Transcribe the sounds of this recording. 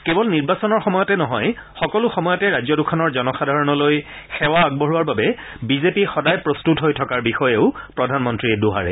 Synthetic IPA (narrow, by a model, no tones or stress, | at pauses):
kebɔlniɹbasɔnɔɹxɔmɔjɔtɛnɔɦɔjxɔkɔlʊxɔmɔjɔtɛɹazɔdukʰɔnɔɹzɔnɔxadʱaɹɔnɔlojxɛwaaɡ̚bɔɹuaɹbabɛ | bizepixɔdajpɹostutɦojtʰɔkaɹbixɔjeʊpɹɔdʱanmɔntɹiɛduɦa̰ɹɛ̰